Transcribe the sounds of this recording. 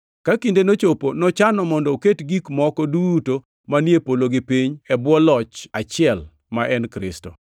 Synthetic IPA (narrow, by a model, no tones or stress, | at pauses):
kakindenot͡ʃoponɔt͡ʃanɔmɔndɔoketɡikmɔkɔduto | manjepoloɡipiɲɛbwɔlɔt͡ʃat͡ʃɪɛl | maʔɛnkɾɪ̰sto̰